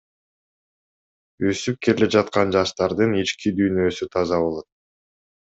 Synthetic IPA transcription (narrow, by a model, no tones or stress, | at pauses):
øsyp̚kelled͡ʒɑt̪̚qɑnd͡ʒɑʃt̪ɑɾd̪ɯnit͡ʃkid̪yjnø̞syt̪ʰɑzɑβo̞lˠo̞t̪̚